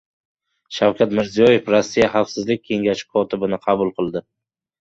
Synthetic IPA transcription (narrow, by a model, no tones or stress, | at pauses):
ʃawkʲʰat̪mɪɾzijɒje̞fɾasːijaχɑfsɪzlɪk̚ʲkʰe̞ŋɡʲaʃɪ̥kʰɒt̪ʰɪbɪnɪqʰɑbʊlˠqʰɨlˠd̪ɪ